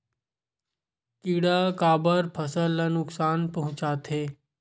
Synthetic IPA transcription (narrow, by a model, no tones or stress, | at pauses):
kiːɽakaːbəɾpʰəsəlːanʊksaːnpɐɦʊ̃t͡ʃaːt̪ɦeː